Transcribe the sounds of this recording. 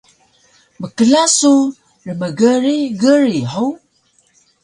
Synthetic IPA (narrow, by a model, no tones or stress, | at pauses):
məkəlasu | rəməɡəɾiɡəɾiħow